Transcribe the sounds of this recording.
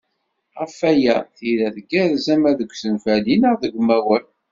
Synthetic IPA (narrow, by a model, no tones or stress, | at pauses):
ʁəfæjæθiɾæðəɡæðzæmæðəɡʷsənfælinəʁðəɡʷmæwəl